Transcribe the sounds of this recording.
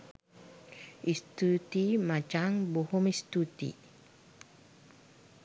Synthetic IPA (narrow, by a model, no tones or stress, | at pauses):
ist̪ut̪imat͡ʃaŋbohɔmist̪ut̪ḭ